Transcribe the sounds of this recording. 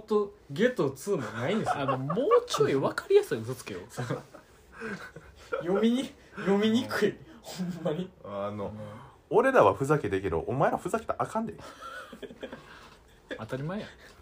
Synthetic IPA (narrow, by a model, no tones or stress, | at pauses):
ot̪ːoɡe̞t̪ot͡sɨːmonaĩnd̪esɨano̞moːt͡ɕoiβakaɾʲijasɨizɨt͡sɨ̥kejos | jomʲiɲi | jomʲiɲ̟ikɯ̟ihõmːaɲ̟iano̞ | oɾe̞ɾaβaɸɯ̟zaked̪ekʲe̞d̪o̞̰ʔomaeβaɸɯ̟zake̥t̪eʔakãnd̪ejo | at̪aɾʲimae